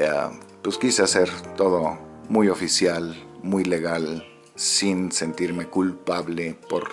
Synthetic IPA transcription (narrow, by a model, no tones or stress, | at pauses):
a̰ | pweskisease̞ɾt̪o̞ðo̞mujo̞fisjalmujle̞ɣal | sinse̞nt̪iɾme̞kulpaβle̞po̰ɾ